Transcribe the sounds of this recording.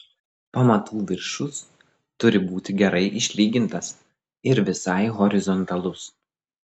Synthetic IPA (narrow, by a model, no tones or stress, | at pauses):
pɐmɐt̪uːʋʲɪɾʃʊs | t̪ʊɾʲɪbuːt̪ʲɪɡʲɛɾɐɪʔɪʃʲlʲiːɡʲɪnt̪ɐs | ɪɾʋʲɪsɑɪɣɔɾʲɪzɔnt̪ɐlˠʊs